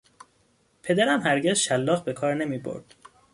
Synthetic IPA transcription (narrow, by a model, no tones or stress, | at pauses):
pʰe̞d̪æɾæmhæɾɟezʃælːɒːɣbekʰɒːɾne̞miːbo̰ɾd̪̥